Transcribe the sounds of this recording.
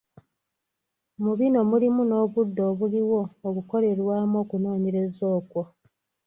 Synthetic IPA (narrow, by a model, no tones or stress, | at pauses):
muβino̞mulimuno̞ːβudːo̞ːβuliwo̞ːkuko̞le̞ɾwaːmo̞ːkuno̞ːɲeɾe̞zo̞ːkwo̞